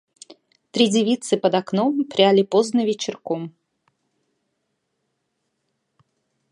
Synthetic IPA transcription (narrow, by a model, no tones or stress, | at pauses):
t̪ɾʲidʲɪvʲit̪sɨpəd̪aknɔmpɾʲalʲipoznəvʲet͡ɕɪrkɔm